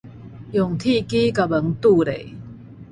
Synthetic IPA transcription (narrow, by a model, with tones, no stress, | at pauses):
jɔ˨˩ŋt̪ʰi˥˧ki˦ka˨˧bə˨˦ŋt̪u˥˧ɾḛ˨